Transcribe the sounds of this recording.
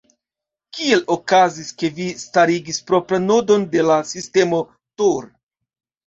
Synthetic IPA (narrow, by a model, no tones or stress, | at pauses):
kie̞lokaziske̞vistaɾiɡispɾo̞pɾanodo̞nde̞lasiste̞mo̞ | toɾ